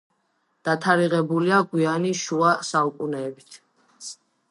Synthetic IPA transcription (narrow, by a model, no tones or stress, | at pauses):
d̪̥at̪ʰaɾiʁɛbuliaɡwianiʃuasaukʼunɛːbit̪ʰ